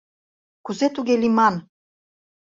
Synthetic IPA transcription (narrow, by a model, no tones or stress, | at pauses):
kuzet̪uɣelimɑn